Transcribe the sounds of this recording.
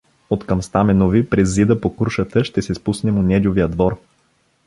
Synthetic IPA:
ot̪kɐmst̪amɛnovipɾɛzːid̪əpokuɾʃət̪əʃt̪ɛsɛspusnɛmonʲɛd͡ʒ̪ʲovijəd̪vɔɾ

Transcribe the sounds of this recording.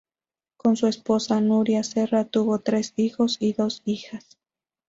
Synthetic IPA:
konsuesposanuɾjaserat̪uβo̞t̪ɾe̞sixosiðosixas

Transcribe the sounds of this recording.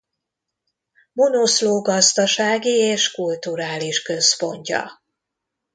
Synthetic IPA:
monosloːɡɒzd̪ɒʃaːɡieːʃkult̪uɾaːliʃkø̞spo̞ɲcɒ̰

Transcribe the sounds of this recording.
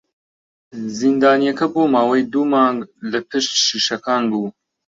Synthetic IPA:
zind̪aːnijɛkɐboːmaːwejd̪uːmɑːŋɡlɐpʰɨʃt̪ʃiːʃɐkaːnbuː

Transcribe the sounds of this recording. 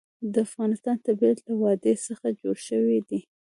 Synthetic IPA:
d̪əafɣɑnɪst̪ɑnt̪abit̪lawɑd̪esəxad͡ʒoɽʃəwid̪i

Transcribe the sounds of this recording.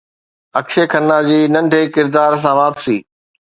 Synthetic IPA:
ɐkʃekʰɐnːad͡ʑiːnɐ̃ɳɖʱeːkɪɾd̪aːɾs̬ãʋaːpsiː

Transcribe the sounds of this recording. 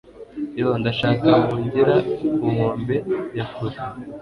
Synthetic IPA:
eβondaʃaːkahoːɲɟeɾauhoːmbe̞jakoze

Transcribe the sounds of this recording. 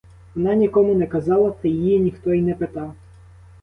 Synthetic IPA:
ʋɔnɑnʲikɔmʊnɛkɐzɑlˠɐt̪ɐjijinʲixt̪ɔinɛpet̪ɑw

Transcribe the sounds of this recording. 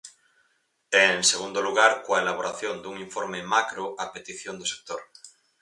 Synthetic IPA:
enseɣund̪oluɣ̞aɾkoaelaβoɾaθjõnd̪uŋiɱfoɾmemakɾoʔapet̪iθjond̪ose̥k̚t̪oɾ

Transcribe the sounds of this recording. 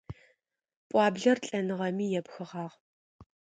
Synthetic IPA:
pʷʼɑːbɮɐrɬʼɐnɨʁɐmiːjɛpxɨʁɑːʁ

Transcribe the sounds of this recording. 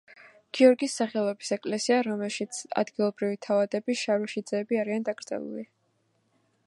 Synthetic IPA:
ɡ̥iɔɾɡisːaχɛlˠɔbisɛkʼlɛsiaɾɔmɛlˠʃit̪sʰa̰d̪ɡilˠɔbɾivit̪ʰavad̪ɛbiʃaɾuʃid̪zɛːbiaɾiand̪aɡɾd̪zʼɛ̰lˠṵli

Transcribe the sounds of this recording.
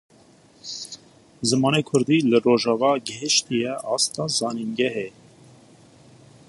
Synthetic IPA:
zəmɑnɛkʰəɾd̪ilərɔʒɑvɑɡɛʃt̪ʰijɛʔɑst̪ɑzɑniŋɡɛɦɛ

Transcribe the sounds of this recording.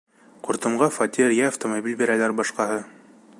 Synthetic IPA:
quɾt̪ɤ̆mʁɑfɐt̪ʲiɾjæːft̪omobʲilʲbeɾælæɾbɑʃqɑɦɤ

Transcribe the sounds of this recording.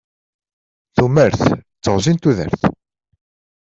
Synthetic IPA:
θuməɾθ | t͡sːəʁzint̪uðə̰ɾθ

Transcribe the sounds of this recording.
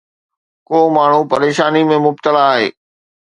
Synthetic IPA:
koːmaːɳ̤upɐɾeːʃaːnimẽmʊb̚t̪əlaːɦeː

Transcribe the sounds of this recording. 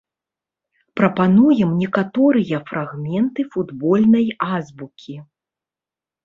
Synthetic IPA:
pɾɐpanujɛmnʲɛkat̪ɔɾɨjɐfraɣmʲɛnt̪ɨfud̪bɔlʲnɐjazbukʲʰi

